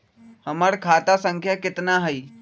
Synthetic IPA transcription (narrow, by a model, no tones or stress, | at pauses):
hɐməɽkʰaːt̪asə̃ŋkʰjakɪt̪naɦɐi